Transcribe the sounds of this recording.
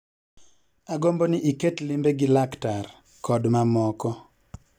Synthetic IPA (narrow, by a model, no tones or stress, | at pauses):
aɡombɔnɪʔiketlimbeɡɪlaktar | kʰɔdmamɔkɔ